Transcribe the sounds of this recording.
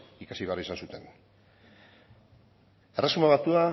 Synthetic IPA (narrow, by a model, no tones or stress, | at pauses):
ikasiβeaɾisansut̪e̞n | eresumaβat̪ua